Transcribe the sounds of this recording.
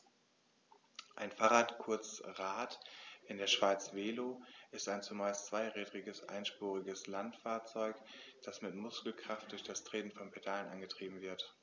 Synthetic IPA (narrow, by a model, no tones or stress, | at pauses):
ʔaɪnfaːʁaːtkʰʊɐt͡sʁaːtʔɪndeːɐʃv̥aɪt͡sv̥eːloʔɪstaɪnt͡sumaːlst͡sv̥aɪʁɛːdʁɪɡəsʔa̰ɪnʃpuːʁɪɡəslantfaːɐt͡sɔʏkd̥asmɪtmʊskl̩kʁ̥aft̚d̥ʊɐçd̥astʁ̥eːnn̩fɔnpʰedaːlənʔa̰nɡətʁ̥iːbm̩vɪɐt